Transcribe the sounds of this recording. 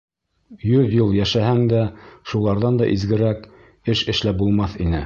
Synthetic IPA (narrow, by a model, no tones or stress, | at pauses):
jɵðjulˠjæʃæhæŋd̪æʃulˠɑɾðɑnd̪ɑʔizɡɘ̆ɾæk | ɘʃɘ̆ʃlæbulˠmɑθin̪ɘ